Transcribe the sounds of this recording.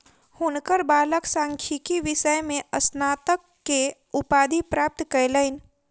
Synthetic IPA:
hunkəɾbaləksãŋkʰikiʋɪsəjmẽʔəsnat̪əkːe | upad̪ʱipɾaːp̚t̪kəjləɪn

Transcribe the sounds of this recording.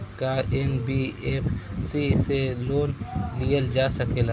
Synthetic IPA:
kaenbiepsiseloːnlijəld͡ʒaːsɐkel

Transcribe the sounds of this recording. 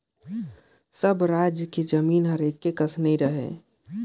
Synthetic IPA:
səbɾaːd͡ʒjəked͡ʒəmiːnɦɐɾeːkkːekəsnəɦĩɾəɦḛː

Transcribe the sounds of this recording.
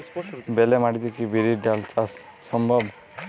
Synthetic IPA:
belemaʈit̪ʰekibiɾiɖaltasː | ɔmbʱɔb

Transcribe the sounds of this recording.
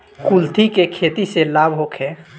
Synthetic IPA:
kult̪ʰikekʰeːt̪iselaːbʱɦokʰɛ̃ː

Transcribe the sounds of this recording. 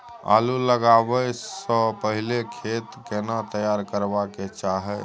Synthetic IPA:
a̰luləɡabɛsə̃pəɦilekʰet̪kenat̪əjaɾkəɾbaket͡ʃaɦɛ

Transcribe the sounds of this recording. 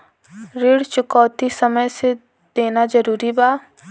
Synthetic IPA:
ɾiɽt͡ʃʊkɔːt̪isəməjse | d̪̥eːnad͡ʒəɾuːɾibaː

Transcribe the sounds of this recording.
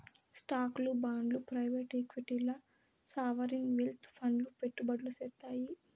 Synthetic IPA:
sʈaːklubaːɳɖlupɾɐjʋeːʈekʋiʈilɐ | saːʋɐɾinʋelt̪ʰpʰɐɳlupeʈːubɐɖlusɛt̪ːaːji

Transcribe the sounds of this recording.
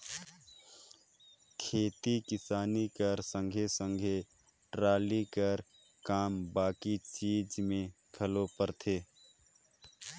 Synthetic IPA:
kʰeːt̪ikɪsaːnikəɾsə̃ŋɡʱesə̃ŋɡʱe | ʈɾaːlikəɾ | kaːmbaːkit͡ʃiːd͡ʒmẽ | kʰəlopəɾt̪ʰeː

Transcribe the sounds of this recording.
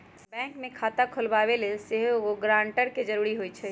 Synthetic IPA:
bɛ̃ŋkmekʰat̪akʰolbaβelelseɦooɡɾãɳʈəɾked͡ʒəɾuɾiɦojt͡ʃʰɛ

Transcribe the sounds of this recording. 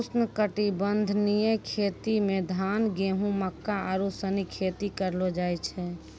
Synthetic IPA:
usnəkəʈibənd̪ʱnijekʰet̪imẽd̪ʱanɡeɦũməkːaaɾusənikʰet̪ikəɾlod͡ʒajt͡ʃʰɛ

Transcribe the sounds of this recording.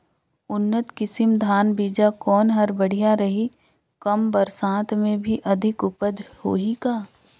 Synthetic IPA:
ʊnːət̪kɪsɪmd̪ʱaːnbiːd͡ʒakɔːnɦɐɾbɐɽ̤ijaɾɐɦi | kɐmbɐɾsãːt̪mẽbʱiʔɐd̪ʱɪkʊpəd̪ʱho̰ːɦikaː

